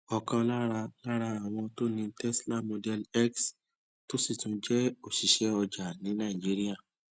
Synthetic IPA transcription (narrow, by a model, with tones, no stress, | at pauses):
ɔ˨kã˧la˦ɾa˧la˦ɾa˧a˨w̃ɔ̃˧to˦nĩ˧tɛ˦sla˦mo˧dɛ˦lɛ˦ks | to˦si˦˨tũ˧d͡ʒɛ˦o˨ʃi˨ʃɛ˨˦ɔ˧d͡ʒa˨nĩ˨˦nã˦˨i˨d͡ʒi˦ɾi˦a˦˨